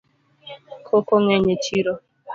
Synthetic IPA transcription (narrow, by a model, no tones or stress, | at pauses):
kʰokoŋɛɲet͡ʃiɾo